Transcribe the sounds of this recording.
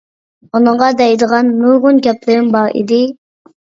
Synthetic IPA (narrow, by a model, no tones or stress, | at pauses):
onɨɴʁɑd̪ɛjd̪əʁɑnːuɾʁʊnɡʲɛplɪɾɪŋbɑʁḭd̪ɪ